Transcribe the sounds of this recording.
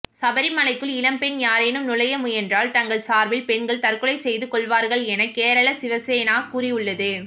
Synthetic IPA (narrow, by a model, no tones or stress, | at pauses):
sɐbɐɾɪmɐlɐɪkːɯɭɪlɐmpɛɳjaːɾeːnɯmnʊlɐjɐmɯɛndraːlt̪ɐŋɡɐɭsaːɾʋɪlpɛɳɡɐɭt̪ɐɾkɯɭɐɪsɛjðɯkːɔɭʋaːɾɣɐɭɛnɐkːeːɾɐɭɐsɪʋɐsɛjɐnaːkuːrɪɯɭːɐðɯ